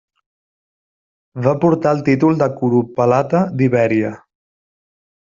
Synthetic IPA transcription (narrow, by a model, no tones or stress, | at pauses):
bapuɾt̪aəlˠt̪it̪ulˠd̪əkuɾupəlat̪əd̪iβɛɾiə